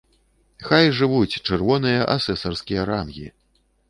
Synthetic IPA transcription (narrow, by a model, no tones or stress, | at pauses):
xajʐɨvut͡sʲt͡ʂɛrvɔnɨjɐʔasɛsɐrskʲijɐɾamɣʲḭ